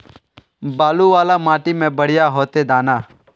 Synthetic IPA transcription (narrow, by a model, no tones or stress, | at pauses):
baːluːʋaːlaːmaːʈiːmẽːbəɽ̤ɪjaːɦoːt̪eːd̪aːnaː